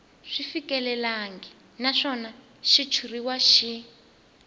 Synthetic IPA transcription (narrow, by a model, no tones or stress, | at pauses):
ʂifikɛlɛlaŋɡɛ | naʂɔna | ʃit͡ʃʰuriwaʃi